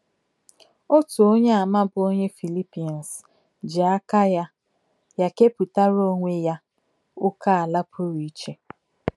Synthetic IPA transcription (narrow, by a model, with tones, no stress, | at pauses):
o˦tu˨o˦ɲe˦a˨ma˦bʊ˦o˦ɲe˦fi˨li˦pi˨n̩˨s | d͡ʒɪ˨a˦ka˦ja˦ | ja˦ke˦pu˨ta˦ɾo˦ŋʷe˦ja˦ | ʊ˦ka˦a˨la˦pʰʊ˦ɾi˦t͡ʃe˦